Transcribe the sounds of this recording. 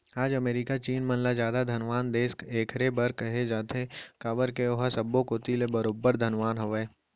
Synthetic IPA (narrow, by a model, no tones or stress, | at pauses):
aːd͡ʒɐmeːɾikat͡ʃiːnmənlad͡ʒjaːd̪ad̪ʱɐnʋaːnd̪eːskeːkʰɾebɐɾkɐɦed͡ʒaːt̪ekaːbəɾkeoɦasɐbːõkot̪ilebəɾoːbəɾd̪ʱənʋaːnɦəʋɛː